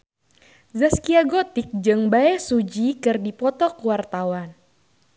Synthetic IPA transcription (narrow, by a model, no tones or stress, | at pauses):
zəskiaɡɔt̪ɪk̚d͡ʒɨŋbaɛhsud͡ʒikɨrdipɔt̪ɔkuwart̪awan